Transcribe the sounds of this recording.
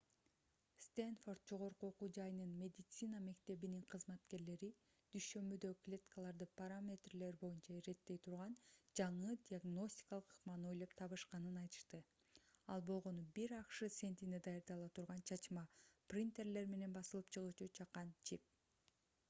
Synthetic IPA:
st̪enfo̞rt̪̚d͡ʒo̞ʁo̞ɾquoqud͡ʒɑjnɯnmʲe̞d̪ʲit̪sɨname̞kt̪e̞βiniŋqʰɯzmɑt̪ke̞ɾle̞ɾi | d̪̥yjʃø̞mbyd̪øklʲe̞t̪kalˠɑɾd̪ɯpaɾamʲe̞t̪rle̞ɾbo̞junt͡ʃɑiɾe̞t̪ːe̞jt̪ʰuɾʁɑnd͡ʒɑɴɯd̪ʲiaɡno̞sʲtʲi̥kɑlˠɯqʰɯ̥qmɑnɯo̞jlˠopt̪ʰɑβɯʃqɑnɯnɑjt̪ɯ̥ʃt̪ɯ | ɑ̰lˠbo̞lˠʁo̞nubiɾɑqʃɯse̞nt̪ined̪ɑjɑɾd̪ɑlˠɑt̪ʰuɾʁɑnt͡ʃʰɑt͡ʃmɑprʲint̪e̞rle̞ɾme̞ne̞nbɑsɯlˠɯpt͡ʃʰɯʁut͡ʃut͡ʃʰɑqːɑnt͡ʃʰip̚

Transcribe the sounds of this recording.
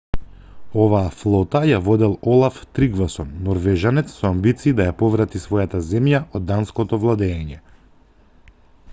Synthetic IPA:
ɔvaːflˠɔt̪ajavɔd̪ɛlˠɔlˠaft̪ɾiɡvasɔnːɔɾvɛʒanɛt̪ssɔambit̪siːd̪ajapɔvɾat̪isvɔjat̪azɛmjaɔd̪ːanskɔt̪ɔvlˠad̪ɛːɲɛ

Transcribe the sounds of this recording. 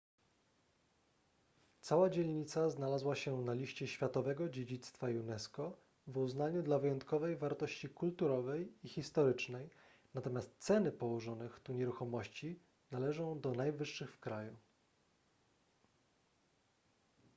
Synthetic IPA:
t̪sawad͡ʑelʲɲit̪saznalazwaɕɛnalʲiɕt͡ɕɛɕfʲjat̪ɔvɛɡɔd͡ʑed͡ʑit̪st̪fajunɛskɔ | vuznaɲud̪lavɘjɔnt̪kɔvɛjvaɾt̪ɔɕt͡ɕikult̪uɾɔvɛjixʲist̪ɔɾɘt͡ʂnɛj | nat̪ɔmʲjast̪sɛnɘpɔwɔʐɔnɘxt̪uɲɛɾuxɔmɔɕt͡ɕi | nalɛʐɔ̃w̃d̪ɔnajvɘʂːɘxfkɾaju

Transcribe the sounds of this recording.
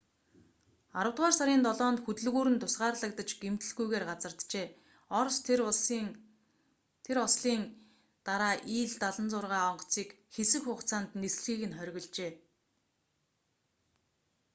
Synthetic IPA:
aɾə̆wt̪ʁaːrsaɾʲiːnt̪ɔɮɔːnt̪xɵt̪ɵ̆ɮɣuːɾɘ̆nt̪ʰʊsɢaːrɮə̆k̚t̪ə̆t͡ɕɡ̥em̥t̪ɘ̆ɮɣujɣeːrɢat͡sə̆rt̪t͡ɕeː | ɔrs | t̪ʰeɾɔsɮiːn | t̪aɾaːʔiːɮt̪aɮə̆nt͡sʊrʁaːɔɴɢɞ̥̆t͡siːk | xesɘ̆kxʊːχt͡sʰaːnt̪nesɮxiːɣɘ̆nχœɾʲɣɞ̆ɮt͡ɕeː

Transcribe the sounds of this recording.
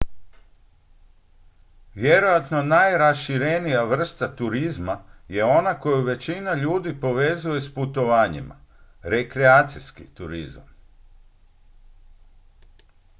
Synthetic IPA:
ʋje̞ɾo̞jat̪no̞najɾasʃiɾenijaʋr̩st̪at̪uɾizmaje̞o̞nako̞juʋe̞t͡ɕinaʎuːd̪ipo̞ʋe̞ːzuje̞sput̪o̞ʋaːɲḭma̰ɾe̞kɾeaːt̪siskit̪uɾḭza̰m

